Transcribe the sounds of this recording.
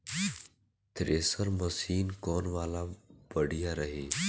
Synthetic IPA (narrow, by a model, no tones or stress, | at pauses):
t̪ɾeːsəɾməsiːnkoːnʋaːlaːʋəɽɪjaːɾəɦeː